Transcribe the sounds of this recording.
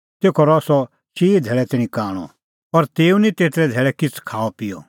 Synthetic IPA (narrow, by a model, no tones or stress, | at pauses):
t̪eːkʰɔɾɔsɔ | ʃiːd͡zʱɛːɭɛt̪ɛːñĩkaːɽ̃ɔ̰ | ɐɾt̪eːũnĩt̪eːt̪ɾɛd͡zʱɛːɭɛkɪt͡sʰkʰaːɔpɪjɔ̰